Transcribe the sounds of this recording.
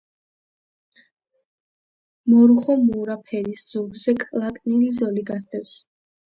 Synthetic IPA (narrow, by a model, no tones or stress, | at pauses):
mɔɾuχɔmuːɾapʰɛɾisz̥ubzɛkʼlˠakʼnilizɔliɡasd̪ʰʼɛfs